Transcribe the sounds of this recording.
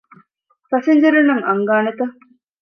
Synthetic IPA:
pɐseɲd͡ʒɐɾunːɐŋɐŋɡaːnet̪ɐ

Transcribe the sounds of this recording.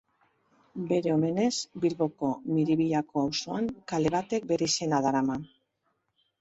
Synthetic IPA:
be̞ɾe̞o̞me̞ne̞zbiɾβo̞ko̞miɾiβiʎako̞awso̞aŋkale̞βat̪e̞k̚be̞ɾise̞naðaɾaman

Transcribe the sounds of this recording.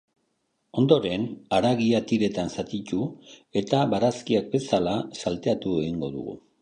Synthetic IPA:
o̞nd̪o̞ɾe̞naɾaɣiat̪iɾe̞t̪ansat̪it̪ue̞t̪aβaɾaskiak̚be̞salasalt̪e̞at̪ue̞ɣiŋɡo̞ðṵɣṵ

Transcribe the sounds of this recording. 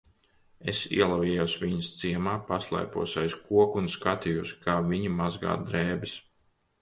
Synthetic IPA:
esḭɛlˠaviɛjusvʲiɲɐst̪siɛmaːpaslˠa̰jpuɔsʲajskuɔkunskat̪ijuskaːviɲimazɡa̰ːd̪ɾɛːbɪs

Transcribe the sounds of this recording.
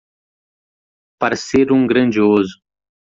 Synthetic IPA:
pɐɾɐseɾũŋɡɾɐ̃nd͡ʒiozʊ̥

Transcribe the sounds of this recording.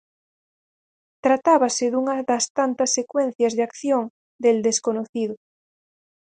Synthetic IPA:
t̪ɾat̪aβaseðuŋɐðast̪ant̪ɐsːekwẽn̟θjazðeakθjoŋ | d̪eld̪eskonoθiðʊ

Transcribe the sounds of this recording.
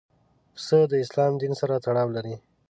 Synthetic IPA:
səd̪əɪslɑmd̪insaɾat̪aɽɑwlaɾi

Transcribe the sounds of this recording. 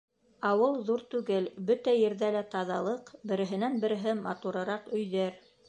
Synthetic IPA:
ɑwɤlˠðuɾt̪ʉɡɘlbɵt̪æjɘ̆ɾðælæt̪ɑðɑlˠɤqbɘ̆ɾɘ̆ɦɘ̆nænbɘ̆ɾɘ̆ɦɘmɑt̪uɾɤ̆ɾɑqɵ̆jðæɾ

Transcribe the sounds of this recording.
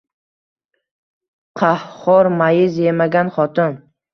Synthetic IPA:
qʰɑhχɒɾmajɪzjemaɡʲanχɒt̪ʰɪn

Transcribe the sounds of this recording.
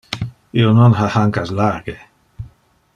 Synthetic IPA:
ionɔnɦahaŋkaslaɹɡe

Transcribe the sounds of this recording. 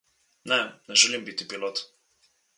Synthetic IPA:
nɛnɛʒɛlimbit̪ipilɔt̪

